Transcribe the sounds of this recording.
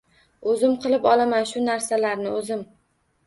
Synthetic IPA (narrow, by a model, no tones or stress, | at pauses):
ɵzɪmqʰɨlˠɪpɒlˠamanʃʊnaɾsalaɾnɪɵzɪm